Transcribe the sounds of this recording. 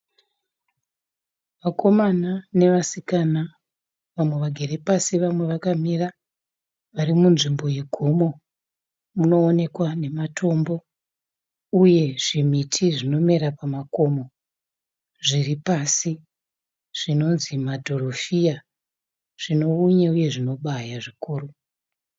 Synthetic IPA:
makʰo̞manane̞ʋasikana | ʋamwe̞ʋaɡʱere̞pasiʋamwe̞ʋakamira | ʋaɾimunʐimbo̞je̞ɡʱo̞mo̞ | muno̞ːne̞kwane̞matʰo̞mbo̞ | uje̞ʐ̥imitʰiʐino̞me̞ɾapamako̞mo̞ | ʐiripasi | ʐ̥ino̞nzimadʱo̞rofija | ʐ̥ino̞uɲauje̞ʐino̞ɓajaʐikuːru

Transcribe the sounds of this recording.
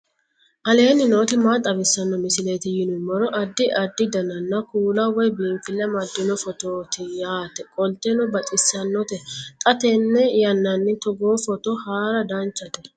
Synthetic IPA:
ʔɐle̞ːnːɪnoːt̪ɪmat̪ʼːɐbɪsːɐnːɔmɪsɪleːt̪ɪjɪnʊmɔɾɔʔɐd̪ːɪʔɐd̪ːɪd̪ɐnɐnːɐkuːlɐwɔjbiːmfɪlːɛmɐd̪ːɪnɔfɔt̪oːt̪ɪjaːt̪ɛkʼɔlt̪ɛnɔbɐt̪ʼɪsːɐnːɔt̪ɛt̪ʼɐt̪ɛnːɛjɐnːɐnːɪt̪ɔɡoːfɔt̪ɔhaːɾɐd̪ɐnt͡ʃːɐt̪ɛ

